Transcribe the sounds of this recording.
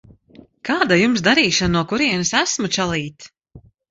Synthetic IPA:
kaːd̪ajumsd̪aɾiːʃannuɔkuɾiɛnɨsæsmut͡ʃalˠiːt̪

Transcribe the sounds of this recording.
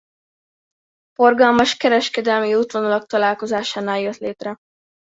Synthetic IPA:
fo̞rɡɒlmɒʃkɛɾɛʃkɛd̪ɛlmiut̪ʋonolɒk̚t̪ɒlaːlko̞zaːʃaːnaːljøt̪leːt̪rɛ

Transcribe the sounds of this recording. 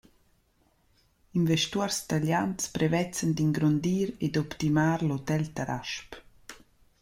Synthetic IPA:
invɛʃtuɔrst̪alanspɾɛvɛt͡sənd̪iŋɡɾond̪iːɾed̪ɔpt̪imaːɾlot̪ɛlt̪aɾʔa̰ʃp

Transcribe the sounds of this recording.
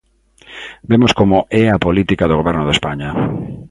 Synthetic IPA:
bemoskomoʔɛɐpolit̪ikaðoɣoβɛɾnʊðespaɲɐ

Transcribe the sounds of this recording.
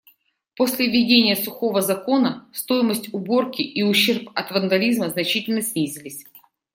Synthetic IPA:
po̞sʲlʲɪvʲːɪdʲenʲɪjəsʊxo̞vəzɐko̞nəst̪o̞jɪməsʲtʲʊbo̞rkʲɪʔiʊɕːe̞rpɐt̪vənd̪ɐlʲizməznɐt͡ɕitʲɪlʲnəsʲnʲizʲɪlʲɪsʲ

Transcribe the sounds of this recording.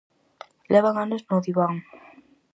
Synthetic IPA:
lɛβaŋanoznoðiβaŋ

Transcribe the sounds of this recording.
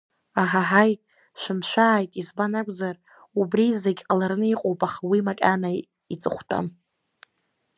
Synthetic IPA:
aɦaħaj | ʃʷᶣɪmʃʷᶣaʕːjtʼizbanakʷʼzar | ubrizeɡʲqʼalarnɨiqʼowpʼaχwimakʲʼana | it͡sʼɨχʷtʼa̰m

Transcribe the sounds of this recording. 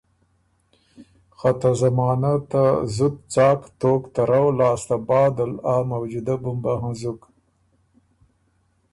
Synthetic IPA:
xat̪azamɑːnat̪azud̪̚t͡sɑːkt̪oːkt̪aɾawlɑːst̪abɑːd̪alamawd͡ʒud̪abʊmbaɦãzʊk

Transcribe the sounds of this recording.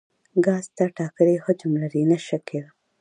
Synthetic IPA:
ɡɑzt̪aʈɑkəlehəd͡ʒʊmlaɾinaʃakeɾa

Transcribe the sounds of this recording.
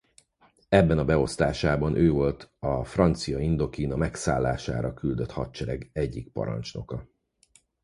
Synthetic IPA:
ɛbːɛnɒbɛo̞st̪aːʃaːbɒnʔøːvo̞lt̪ɒfrɒnt̪sijɒind̪o̞kinɒmɛksa̰ːlːa̰ːʃa̰ːɾɒkyld̪øt̪hɒt̪t͡ʃɛɾɛɡɛɟːik̚pɒ̰ɾɒ̰nt͡ʃno̞̰kɒ

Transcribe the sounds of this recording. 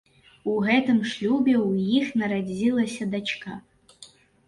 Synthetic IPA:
uɣɛt̪ɨmʂlʲubʲɛwjixnɐɾad͡zʲilˠɐsʲɐd̪at͡ʂka

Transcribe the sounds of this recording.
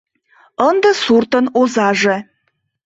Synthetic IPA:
ənd̪ə̆surt̪ənozɑʒĕ

